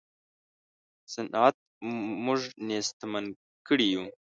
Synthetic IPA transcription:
sanat̪̚mʊʐnest̪man | kəɽiju

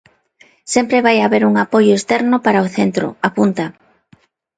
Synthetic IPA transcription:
sempɾeβajaβeɾuŋapojʊest̪ɛɾnʊpaɾaoθent̪ɾʊ̰apunt̪a

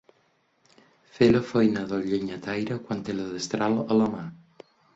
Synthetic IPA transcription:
feləfojnaðoʎeɲat̪ajɾəkwant̪eləðest̪ɾalələma

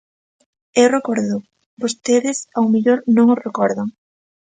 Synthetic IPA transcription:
ewrekɔɾðʊ | bost̪eðɪsawmiʎoɾnõŋosrekɔɾðɐŋ

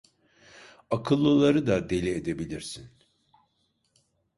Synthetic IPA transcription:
akʰɯlˠːɯlˠaɾɯd̪ad̪e̞lʲied̪e̞bilʲiɾsin

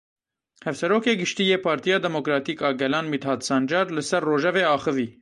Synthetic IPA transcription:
hɛvsɛɾoːkeːɡɨʃt̪iːjeːpʰɑːɾt̪ijɑːd̪ɛmokɾɑːt̪iːkɑːɡɛlɑːnmit̪hɑːd̪sɑːnd͡ʒɑːɾlɨsɛrːoːʒɛveːɑːxɨviː

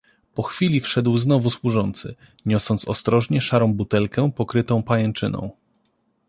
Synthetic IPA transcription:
pɔxfʲilʲifʂɛd̪wznɔvuswuʐɔnt̪sɘ̰ | ɲɔsɔnt̪sɔst̪ɾɔʐɲɛʂaɾɔ̃w̃but̪ɛlkɛpɔkɾɘt̪ɔ̃w̃pajɛnt͡ʂɘnɔ̰̃w̃

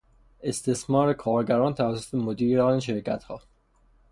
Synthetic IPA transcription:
e̞st̪ʰe̞smɒːɾekʰɒːɾɟæɾɒːnt̪ʰævæsːot̪ʰemod̪iːɾɒneʃ̬e̞ɾcʰæt̪hɒː

